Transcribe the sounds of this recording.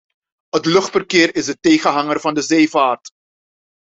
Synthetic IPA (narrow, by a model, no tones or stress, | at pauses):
ɦətlɵχtfərkɪːrɪzəteːχənɦɑŋərvɑndəzeːvaːrt